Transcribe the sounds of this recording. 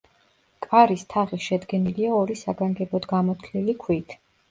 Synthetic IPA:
kʼaɾist̪ʰaʁiʃɛd̪ɡɛniliaɔɾisaɡaŋɡɛbɔd̪ɡamɔt̪ʰlilikʰwit̪ʰ

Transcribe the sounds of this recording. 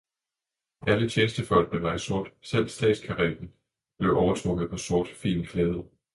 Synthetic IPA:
ʔælət͡ɕʰeːnsd̥əfɒ̽l̰ɡ̥̚blemɑ̈ɪso̝ɐ̰d̥sel̰sd̥ɛ̰ːd̥skʰɑʁḛd̥n̩ | b̥le̝ʊʔɒʊɐt͡sʰʁɔ̽ɡ̥ð̩ˠpʰɒ̽so̝ɐd̥fḭːlnkʰlɛːð̞ˠ

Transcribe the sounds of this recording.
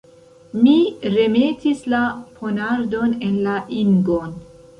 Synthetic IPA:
miɾe̞me̞tislapʰo̞naɾdo̞ne̞nlaʔiŋɡon

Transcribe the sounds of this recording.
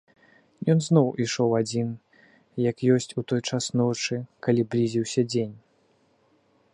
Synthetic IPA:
jɔnznɔwiʂɔwad͡zʲin | jɐkjɔsʲt͡sʲut̪ɔjt͡ʂasnɔt͡ʂɨkalʲiblʲizʲiwsʲɐd͡zʲenʲ

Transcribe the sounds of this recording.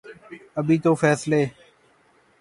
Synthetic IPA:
əbʱiːt̪oːfɛːsleː

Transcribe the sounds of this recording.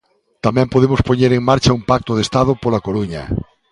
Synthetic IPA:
t̪amɛ̃mpoðemʊspoɲeɾeŋmaɾt͡ʃɐumpak̚t̪ʊðest̪að̞ʊpolakoluɲɐ̰

